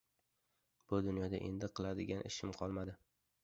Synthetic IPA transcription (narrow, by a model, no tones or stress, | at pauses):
b̥ʊd̪ʊnjɒd̪a̰ʔe̞̰nd̪ɪqʰɨlˠad̪ɪɡʲanʔɪ̰ʃɪmqʰɒlˠmad̪ɪ